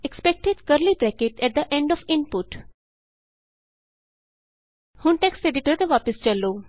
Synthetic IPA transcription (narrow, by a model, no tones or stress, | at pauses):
ekspɛk̚ʈeɖkəɾlibɾɛkeʈʰɛʈ̚d̪əʔẽɳɖɔfɪ̃npʊʈ | hʊ̃nʈekseɖɪʈəɾt̪eʋapɪst͡ʃɐloː